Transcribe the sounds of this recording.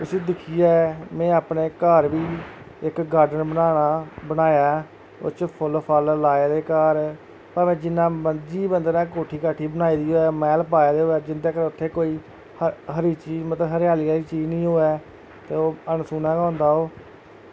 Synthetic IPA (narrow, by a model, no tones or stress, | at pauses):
ʊseːd̪ɪkʰiːɛːmɛ̃ːaːpneːkaːɾʋiː | ɪkɡaːɾɖənbəaːɽaːbənaːjaː | ʊ̰t͡ʃpʰʊlpʰəllaːeːd̪eːkaːɾ | pəɾmɛ̃ːd͡ʒɪnːãːbəd͡ʒiːbənd̪nãːkoːʈʰiːkaʈʰːiːbənaːiːd̪iːɦoːɛːmɛːlpaːeːd̪eːɦoːɛːd͡ʒɪnd̪eːkəɾʊt̪ʰːeːkoːiː | ɦəɾiːt͡ʃiːmət̪ləɦəɾjaːliːɾiːt͡ʃiːd͡ʒnĩːɦoːɛː | t̪eːoːənsuːnãːkãːnd̪aːɦoː